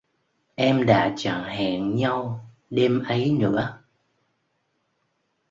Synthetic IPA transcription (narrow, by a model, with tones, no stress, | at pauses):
ʔɛ˧mɗa̰ː˧˥t͡ɕa̰˧˨ŋhɛ̰˧˨˩ŋɲa˧w | ɗe˧mʔə˨˦jnɨ̰˧˥ə